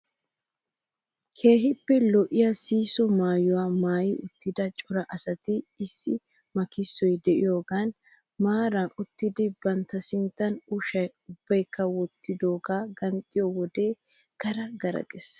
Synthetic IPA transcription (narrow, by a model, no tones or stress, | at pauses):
kʰe̞ːɦɪpːɛlɔʔɪjɐsiːsɔmaːjʊwaːmaːjɪʔʊt̪ːɪd̪ɐt͡ʃʼɔɾɐʔɐsɐt̪ɪɪsːɪ | mɐkɪsːɔjd̪ɛʔɪjo̞ːɡaːn | maːɾɐnʊt̪ːɪd̪ɪbɐnt̪ːɐsɪnt̪ːɐnʊʃɐjʊbːɐjkːɐwɔt̪ːɪd̪o̞ːɡaːɡɐnt̪ʼːɪjɔwɔd̪e̞ː | ɡ̥ɐɾɐɡɐɾɐ̰ɡʼɛs